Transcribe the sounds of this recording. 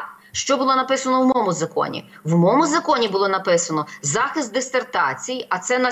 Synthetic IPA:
ʃt͡ʃɔbʊlˠɔnɐpɪsɐnɔwmɔmʊzɐkɔ̰nʲḭ | wmɔmʊzɐkɔnʲibʊlˠɔnɐpɪsɐnɔzɑxɪst̪̚d̪ɪst̪ert̪ɑ̰t͡sʲijiʔɐt̪sɛnɐ

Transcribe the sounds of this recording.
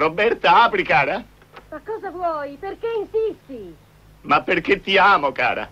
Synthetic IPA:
robɛɾt̪aaːpɾikaːɾa | makːɔːzavwɔjperkeinsist̪i | mapːeɾk̟et̪ːiaːmoka̰ːɾa̰

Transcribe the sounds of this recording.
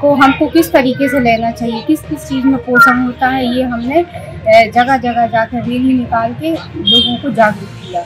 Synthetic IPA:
koɦɐmkokɪst̪ɐɾiːkeseleːnat͡ʃaːɦiekɪskɪst͡ʃiːzmẽpoːsə̃nɦoːt̪aɦɛjeɦɐmne | d͡ʒɐɡad͡ʒɐɡad͡ʒaːkɐɾeːlminɪkaːlkeloːɡõkod͡ʒaːɡɾukijaː

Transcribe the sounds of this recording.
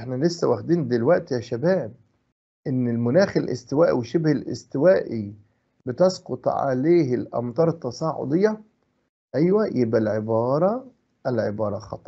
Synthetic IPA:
ʔɪħnælesːæwæxd̪iːnd̪elwæʔt̪jæʃæbæːb̚ | ʔɪnːɪlmʊnæːxɪlʔɪ̰st̪ɪwæːʔḭweʃebhelʔɪ̰st̪ɪwæːʔi | bɪt̪ɑsqot̪ˤʕa̰leːɦɪlʔɑ̰mt̪ˤɑːɾˤɑt̪ːɑsˤɑːʕʊ̰d̪ˤejːɑ | ʔæjwæjebʔælʕebɑːɾˤɑ | ʔælʕebɑːɾˤɑxɑ̰t̪ˤːɑ

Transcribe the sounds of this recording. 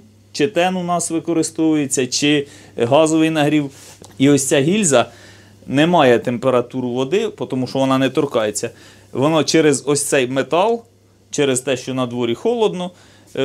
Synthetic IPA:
t͡ʃɪt̪ɛnunɑsʋɪkɔɾɪst̪ɔʋʊjet͡sʲːɐt͡ʃɪ | ɦɑzɔʋɪjnɐɦɾʲiwiɔsʲt͡sʲɑɦʲilʲzɐ | nɛmɑjɛt̪empeɾɐt̪uɾʊʋɔd̪ɪpɔt̪ɔmuʃɔʋɔnɑnɛt̪ɔrkɑjet͡sʲːɐ | ʋɔnɑt͡ʃɛɾezɔsʲt̪sɛjmet̪ɑlˠ | t͡ʃɛɾezt̪ɛʃt͡ʃɔnɐd̪ʋɔɾʲixɔlˠɔd̪nɔ

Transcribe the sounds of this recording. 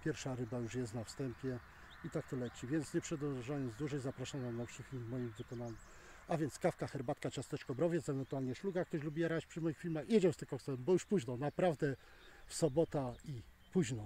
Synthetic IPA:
pʲjɛɾfʂaɾɘbajuʂjɛst̪nafst̪ɛmpʲjɛ | it̪ak̚t̪ɔlɛt͡ɕivʲjɛnt̪sɲɛpʂɛd̪ɔʐajɔnd̪zd̪wuʐɛjzapɾaʂamvamnafʂɘxɲʲimɔjimvɘkɔnaɲɛm | avʲjɛnt̪skafkaxɛɾbat̪kat͡ɕast̪ɛt͡ʂkɔbɾɔvʲjɛt̪sɛvɛnt̪ualɲɛʂluɡak̚t̪ɔɕlubʲijɛɾat͡ɕpʂɘmɔjixfʲilmaxjɛd͡ʑɛwst̪ɘxkɔsɛwɛmbɔjuʂpuʑnɔnapɾavd̪ɛ | fsɔbɔt̪ai | puʑnɔ

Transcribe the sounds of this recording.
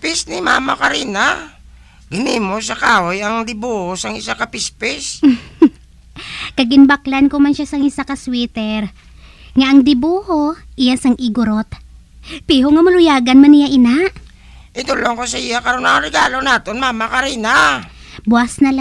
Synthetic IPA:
pisnɪma̰ːmakɐɾiːna | ɡ̥ɪnimosɐkaːhojɐŋd̪ɪbuhosɐŋɪsakɐpispɪs | kɐɡɪnbaklɐnkomɐnʃasɐŋɪsakɐswiːt̪ɛɾ | ŋaʔɐŋd̪ɪbuːhoʔɪjansɐŋʔɪɡʊɾot̪ | piɦoŋɐmʊlʊjaːɡɐnmɐnɪjaʔɪnaʔ | ʔɪd̪uloŋkosɐɪjakɐɾonaaɾɛɡaːlonaːt̪onmaːmakɐɾiːnabʊasnɐl

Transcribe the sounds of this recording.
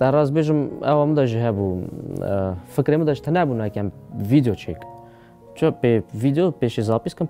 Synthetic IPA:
t̪ɛɾɑːzbeːʒɨmɛ̰wamɨd̪ɑʒiɦɛbu | fɨkɾeːmɨd̪ɑʒt̪ʰɨnɛbunɛkɛmviːd̪jot͡ʃʰḛːk | t͡ʃʰəpevid̪jopeːʃezɑːpiskɨm

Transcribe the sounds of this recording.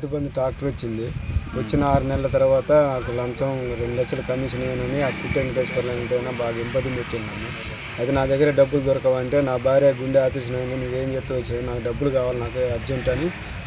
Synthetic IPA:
t̪ibɐnd̪iʈaːk̚ʈɐɾot͡ʃːind̪iʋɐt͡ʃːinɐaːɾunɛlɐlɐt̪ɐɾuʋaːt̪ɐnaːkulɐmsɐmɾeɳɖulɐkt͡ʃːɐlukɐnːit͡ʃɐneːnɐniaːkkiʈːeɳpeːspɐɾleaːnɐɳʈeɐnaːbaːɡɐimpɐd̪impeʈːininɐmu | ɐjt̪enaːkd̪ɐɡːɐɾeɖɐbːulud̪ɔɾɐkɐʋɐɳʈe̞ːnaːbʱaːɾjaːɡuɳɖeaːpiːʃ̬ɐnɐjɐɳt̪inuːʋe̞ːmd͡ʒet̪ːuʋɐt͡ʃːind̪inaːkuɖɐbːulukaːʋaːlinaːkuɐɾd͡ʒeɳʈɐni

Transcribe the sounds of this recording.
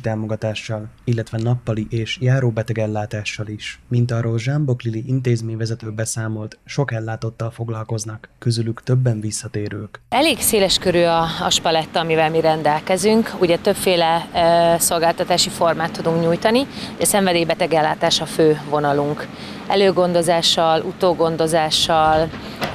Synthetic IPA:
t̪aːmo̞ɡɒt̪aːʃːɒlilːɛt̪ʋɛnɒpːɒliʔeːʃjaːɾoːbɛt̪ɛɡɛlːaːt̪aːʃːɒliʃmint̪ɒroːlʒɛmbokliliʔint̪eːzmeːɲvɛzɛt̪øːlbɛsaːmo̞lt̪ʃo̞kɛlːaːt̪o̞t̪ːɒlfo̞ɡlɒlko̞znɒkːøzylykt̪øbːɛɱvisːɒt̪eːɾøːkɛleːɡseːlɛʃkøɾyɒɒ̰ʃpɒlɛt̪ːɒmivɛlmiɾɛnd̪ɛlkɛzyŋkuɟɛt̪øpfeːlɛ | so̞lɡaːlt̪ɒt̪aːʃifo̞rmaːt̪ːud̪uŋkɲuːjt̪ɒnioɟɒsɛɱvɛd̪eːjibɛt̪ɛɡɛlːaːt̪aːʃɒføːvo̞nɒluŋk | ɛ̰løːɡo̞nd̪o̞zaːʃɒlʔut̪oːɡo̞nd̪o̞zaːʃːɒl

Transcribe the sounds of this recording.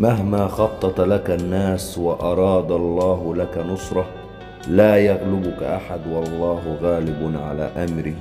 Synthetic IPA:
maɦmaːxɑt̪ˤːɑt̪lakanːaːswɑʔɑɾˤɑːd̪ɑlˤːɑːɦʊlakanʊsˤɾˤɑ | laːjaɣlʊbʊkaʔaħad̪wɑlˤːɑːɦɣaːlɪbʕa̰la̰ːʔamɾɪ

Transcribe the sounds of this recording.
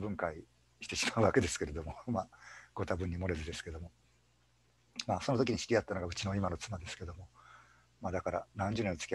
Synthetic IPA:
bɯ̟̃ŋkai | ɕi̥t̪e̞ɕimaɯ̟βake̞d̪e̞sɨ̥ke̞ɾe̞d̪o̞mo̞maɡ̥o̞t̪abɯ̟̃ɲ̟ːimo̞ɾe̞zɨd̪esɨ̥ke̞d̪o̞mo̞ | maso̞not̪o̞kʲiɲ̟iɕi̥ɾʲiat̪ːano̞ɡaɯ̟t͡ɕino̞imano̞t͡sɨmad̪e̞sɨ̥ke̞d̪o̞mo̞ | mad̪akaɾa̰nãɲ̟d͡ʑɨːnẽot͡sɨ̥kʲi

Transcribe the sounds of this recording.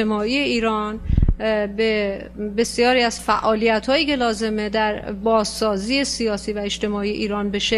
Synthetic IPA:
emɒːiːje̞iːɾɒːn | be | be̞sijɒːɾiːæz̥fæʔɒːlijæt̪ʰhɒːjiːce̞lɒːze̞med̪æɾbɒːzsɒːziːesijɒːsiːvæe̞t͡ʃt̪e̞mɒːijeʔiːɾɒːnbe̞ʃe

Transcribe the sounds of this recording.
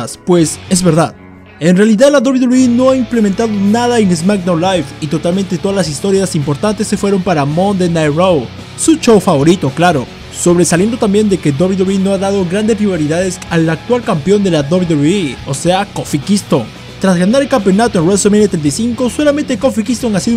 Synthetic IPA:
spwe̞sezβe̞ɾðað | e̞nrealiðaðlaðoβiðuino̞aimple̞ment̪aðonaðaeŋezmakd̪awlajfit̪o̞t̪almẽ̞nt̪e̞t̪o̞ðazlas̬ist̪o̞ɾjasimpo̞ɾt̪ant̪e̞sːe̞fwe̞ɾo̞mpaɾamo̞nd̪enajrow | sut͡ʃowfaβo̞ɾit̪o̞klaɾo̞ | so̞β̞ɾe̞salje̞nd̪o̞t̪ambje̞nd̪eked̪oβiðuβino̞aðaðo̞ɣɾand̪espɾiβaɾiðaðe̞salak̚t̪walkampjo̞nd̪e̞lad̪oβid̪uio̞se̞akofikist̪oŋ | t̪ɾazɣanaɾelkampeonat̪oenrwesemenet̪ɾent̪ajsiŋko̞so̞lament̪eko̞fikist̪oŋasið

